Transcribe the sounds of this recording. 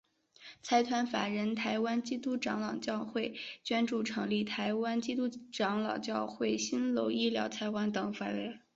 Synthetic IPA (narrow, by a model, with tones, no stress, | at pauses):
t͡sʰa˧˥ɪt̪ʰwa˧˥nfa̰˨˩ɻə˧˥nt̪ʰa˧˥ɪwa˥nt͡ɕi˥t̪u˥ʈ͡ʂɑ˧˥ŋlɑ˨˩ʊt͡ɕjɑ˥˧ʊxwe˥˩ɪt͡ɕɥɛ˥nʈ͡ʂu˥˩ʈ͡ʂʰɤ˧˥ŋli˥˩t̪ʰa˧˥ɪwa˥nt͡ɕi˥t̪u˥ʈ͡ʂɑ˧˥ŋlɑ˨˩ʊt͡ɕjɑ˥˧ʊxwe˥˩ɪɕi˥nlo˧˥ʊi˥ljɑ̰˧˥ʊt͡sʰa˧˥ɪwa˧˥nt̪ɤ˨˩ŋfa˨˩nwe˧˥ɪ